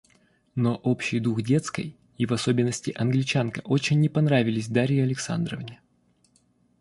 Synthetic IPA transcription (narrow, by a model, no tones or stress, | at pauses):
noʔopɕːɪjd̪uxdʲe̞t̪skə̰j | ivɐso̞bʲɪnːəsʲtʲɪʔɐnɡlʲɪt͡ɕankəʔo̞t͡ɕɪnʲːɪpɐnɾavʲɪlʲɪsʲd̪aɾʲɪjɪɐlʲɪksa̰nd̪ɾəvnʲɪ